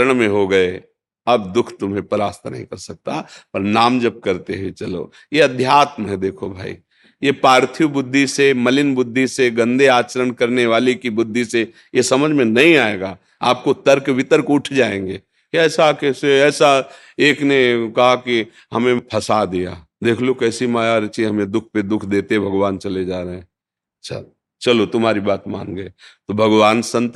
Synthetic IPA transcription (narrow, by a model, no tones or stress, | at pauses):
ɾəɽ̃mẽɦoɡɐe | ɐbd̪ʊkʰt̪ʊmɦẽpəɾaːst̪ʰnɐ̰ɦĩkɐɾsɐk̚t̪apɐɾnaːmd͡ʒɐb̚kɐɾt̪eɦit͡ʃɐlo̰ː | jeɐd̪ʱjaːt̪məɦɛ̃d̪eːkʰobʱa̰ːḭ | jepaːɾt̪ʰijubʊd̪ʱːisemɐlɪnbʊd̪ʱːiseɡɐ̃nd̪eaːt͡ʃəɾəɳkɐɾneʋaːlikibʊd̪ʱːise | jesɐməd͡ʒʱmẽnɐɦĩaːeːɡaː | a̰ːp̚kot̪ɐɾkʋɪt̪əɾkʊʈʰd͡ʒaːẽːŋɡeː | kɛːsakeseɛːsa | eːknekɐɦaki | ɦɐmẽpʰɐsad̪ija̰ː | d̪eːkʰlokɛːsimaːjaɾt͡ʃiɦɐmẽd̪ʊkʰped̪ʊkʰd̪eːt̪eɦɛ̃bʱɐɡʋaːnt͡ʃɐled͡ʒaːɾəɦɛ̃ː | ɐtːʃʰa̰ | t͡ʃɐlot̪ʊmɦaːɾibaːt̪mã̰ːŋɡɐet̪obʱɐɡʋaːnsə̃nt̪